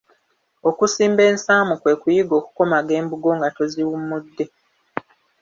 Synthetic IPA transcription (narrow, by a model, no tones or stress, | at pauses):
o̞kusiːmbe̞ːnsaːmukwe̞ːkujiɡo̞ːku̥ko̞maɡe̞ːmbuɡo̞ŋɡatoziwumudːe̞